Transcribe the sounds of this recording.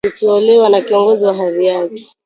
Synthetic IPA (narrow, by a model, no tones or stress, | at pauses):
utuɔlɛwanakiɔŋɡɔziwaɦaðijakɛ̥